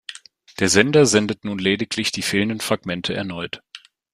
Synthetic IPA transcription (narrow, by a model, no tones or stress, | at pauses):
d̥eːɐzɛndɐzɛndətnuːnleːdɪkʰlɪçd̥iːfɪːləndənfʁ̥aɡ̥mɛntʰəɛ̰ɐnɔʏt